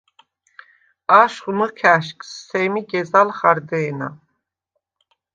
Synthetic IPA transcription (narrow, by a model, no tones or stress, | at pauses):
aʃχməkʰæʃkʰʼsːʰɛmiɡɛzalχaɾd̪ɛːna̰